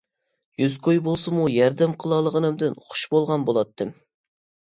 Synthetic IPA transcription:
jyzkʰojbolˠsɨmujɛɾd̪ɛmqʰəlˠɑlˠəʁənɨmd̪ɨnχʰʊ̥ʃbolˠʁɑnbolˠɑt̪ʰːɨm

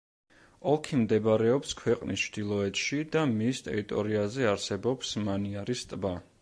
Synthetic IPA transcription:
ɔlˠkʰimd̪ɛbɾɛɔpskʰwɛqʼnist͡ʃʰd̪̥ilˠɔɛt̪ʃid̪amist̪ʼɛ̰ɾit̪ʼɔɾiazɛaɾsɛbɔpsmaniaɾist̪ʼba

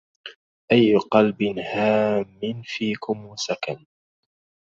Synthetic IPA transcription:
ʔajːʊqɑlbɪnhaːmːɪnfiːkʊmusakan

